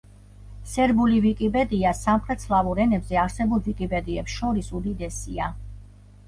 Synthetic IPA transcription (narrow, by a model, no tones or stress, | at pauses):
sɛɾbulivikʼipʼɛd̪iasamχɾɛt̪sʰlˠavuɾɛnɛbzɛaɾsɛbulˠvikʼipʼɛd̪iɛpsʃɔɾisud̪id̪ɛsia